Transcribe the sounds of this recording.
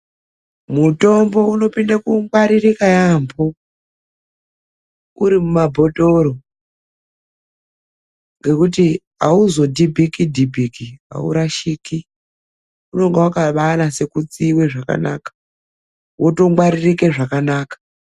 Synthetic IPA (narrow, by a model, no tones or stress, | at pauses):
muto̞mbo̞uno̞pindakuŋɡwaɾirikajambo | uɾimumabʱo̞to̞ɾo | ŋɡe̞kuti | a̰uzo̞dʱibʱikidʱibʱikiɦa̰ṵɾaʃiki | uno̞ŋɡewakaʋaːnase̞kut͡siweʐaka̰na̰ːkḁ | woto̞ŋwaɾirike̞ʐakanaːkḁ